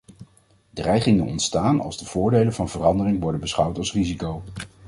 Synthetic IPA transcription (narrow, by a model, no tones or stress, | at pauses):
drɛjχɪŋənɔ̰ntstaːnɑ̰lˠzdəv̥ʊːɹdejlənvɑnvərɑndərɪŋʋɔɹdənbəsχʌwtɑlˠsrizikow